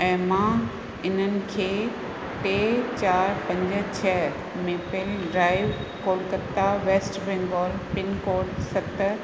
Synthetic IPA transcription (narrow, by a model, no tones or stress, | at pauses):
ɛ̃ːmã | ɪn̤ənɪ̆kʰeː | ʈeːt͡ɕaːɾpɐ̃ɲd͡ʑə̆t͡ɕʰɛː | meːpelɖɾaːɪʋkoːlkət̪ːaʋeːsʈbẽːŋɡɔːlpɪnkoːlsɐt̪